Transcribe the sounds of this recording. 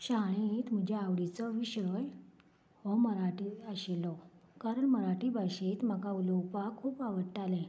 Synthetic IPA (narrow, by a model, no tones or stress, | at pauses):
ɕaɭ̃et̪m̤əd͡ʑʱeaʋɽit͡sɔʋiɕəj | ʋɔməɾaʈiəɕelɔkaɾəɳməɾaʈiːbʱaɕet̪m̤akaulɔwpakʰːuːpaʋəɽʈalɛ̃